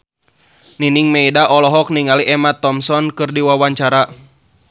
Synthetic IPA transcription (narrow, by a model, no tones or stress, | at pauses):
niniŋmɛidaʔɔlɔɦɔk̚niŋaliʔɛmat̪ːɔmsɔnkɨrdiwawaɲt͡ʃaɾa